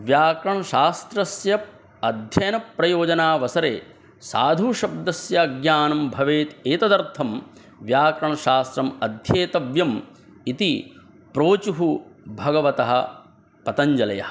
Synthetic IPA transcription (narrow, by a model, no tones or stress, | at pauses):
ʋjaːkɾɐɳɐʃaːst̪ɾɐsjɐ | ɐd̪ʱjɐjɐnɐpɾɐjoːd͡ʒɐnaːʋɐsɐɾeː | sa̰ːd̪ʱuʃɐb̚d̪ɐsjɐɡjaːnɐmbʱɐʋeːt̪eːt̪ɐd̪ɐɾt̪ʰɐm | ʋjaːkɾɐɳɐʃaːst̪ɾɐmɐd̪ʱjeːt̪ɐʋjɐm | it̪i | pɾoːt͡ʃuɦubʱɐɡɐʋɐt̪ɐɦɐ̆ | pɐt̪ɐɲd͡ʒɐlɐ̰jɐ̰hɐ